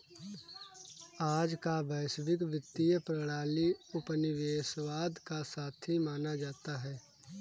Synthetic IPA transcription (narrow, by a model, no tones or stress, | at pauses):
aːd͡ʒkabɛːsʋɪkʋɪt̪ːijəpɾəɽaːliʊpənɪʋeːsʋaːd̪kasaːt̪ʰimaːnad͡ʒaːt̪aɦɛː